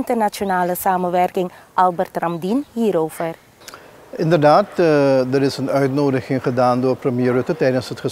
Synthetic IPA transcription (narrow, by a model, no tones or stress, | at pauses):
ntərnat͡ʃonaːləsaːmənʋɛrkɪŋʔɑlˠbərtrɑmdinɦiːɾowv̥ər | ʔɪndərdaːtdəɾɪsənœɥtnoːdəχɪŋχədaːndʊːrprəmjeːrɵtətɛjdənsətχə